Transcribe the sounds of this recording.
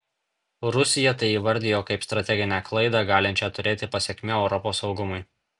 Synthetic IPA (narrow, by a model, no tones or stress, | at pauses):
ɾʊsʲɪjɛt̪ɐɪiːʋɐɾʲd̪ʲɪjoːkɐɪpst̪ɾɐt̪ʲɛɡʲɪnʲæklˠɐɪd̪ɑɡɑːlʲɪnʲt͡ʃʲɛt̪ʊɾʲeːt̪ʲɪpɐsʲɛkʲmʲoːɛʊɾɔpoːsɒʊɡʊmʊɪ